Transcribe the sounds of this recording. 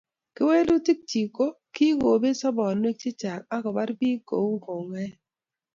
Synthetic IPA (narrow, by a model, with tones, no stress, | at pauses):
ke˦we˦lu˦ti˦k̚t͡ʃi˨ko˦ | ki˦ɡo˨be˦sɔ˦bɔ˨nwe˦k̚t͡ʃe˦t͡ʃa˨k̚a˦kɔ˨ba˦ɾbi˦ko̰˨wɡo˨ŋɛ˦